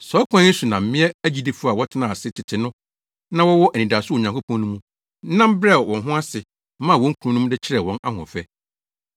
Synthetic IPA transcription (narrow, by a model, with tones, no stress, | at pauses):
sɔ˨˦kʷʰã˦su˨nã˨m̩˦mɪ̃˦ɛ˦æ˦d͡ʑi˦di˦fʊ˦˨a˨wɔ˦tʰɪ˦nã˨sɪ˦tʰɪ˨tʰɪ˨nʊ̃˦ | nã˦wɔ˦wɔ˦ʔæ˨nĩ˨da˨sʊ˦˨ɲã˨kʰo˦pʰɔ̃˦n˦nũ˦mũ˦ | nã˦m˦bɾɛ˦˨wɔ̃˨nɦʊ̃˦a˦sɪ˨˦ | mã˦˨wɔ̃˦ŋ̩˦kʰu˨˦ũ˦nũ˦m˦dɪ˦t͡ɕʰɪ˦ɾɛ˨wɔ̃˦na̰˦hɔ̰̃˨fɛ˦